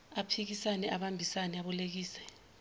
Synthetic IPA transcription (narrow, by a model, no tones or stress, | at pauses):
apʰik̬isanɛʔaɓambʱisanɛaɓɔlek̬iːsɛ̥